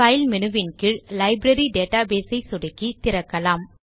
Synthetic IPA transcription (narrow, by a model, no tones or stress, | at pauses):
ɐɪlmɛnɯʋɪnkɪɭlɐɪbɾɐɾiɖeːʈːaːbeːsɐɪsʊɽɪkːit̪ɪɾɐkːɐlaːm